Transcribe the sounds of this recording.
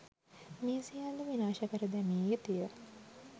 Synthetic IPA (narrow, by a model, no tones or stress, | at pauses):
miːsijand̪əʋinaːʃəkəɾəd̪æmiːjet̪ijə